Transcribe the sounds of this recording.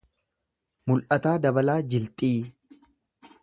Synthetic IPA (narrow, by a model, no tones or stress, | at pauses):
mʊlʔɐt̪aːd̪ɐbɐlaːd͡ʒɪlt̪ʼiː